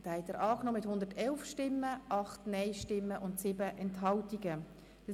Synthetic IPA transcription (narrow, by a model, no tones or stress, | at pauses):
d̥ɑhɛtəɾʔɑːknɔːmɪthʊnd̪əɾtɛlfʃtɪmːəʔɑχtnɛɪʃtɪmːəʔʊntsɪːbəʔɛnthɑltiɡə̥